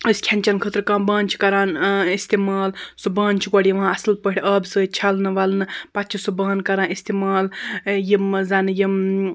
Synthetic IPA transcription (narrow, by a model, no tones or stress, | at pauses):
ɨskʲʰɐnt͡ʃɐnkʰət̪ɾkãːbãːnʲt͡ʃʰi̥kɐɾaːnist̪imaːlsubãːnt͡ʃʰiɡʷɐɽʲjiʋãːɐsɨlpəʈʰʲɐːbsəːt͡ʃʰɐlnɨʋɐlnɨpɐtt͡ʃʰisubãːnkɐɾãːnist̪imaːljimzɐnɨjim